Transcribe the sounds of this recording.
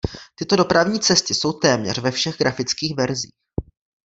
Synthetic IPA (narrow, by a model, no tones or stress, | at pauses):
t̪ɪt̪o̞do̞pɾavɲiːt͡sɛst̪ɪso̞wt̪ɛːmɲɛ̰r̝vɛfʃɛɣɡɾafɪt͡skiːxvɛɾzḭːx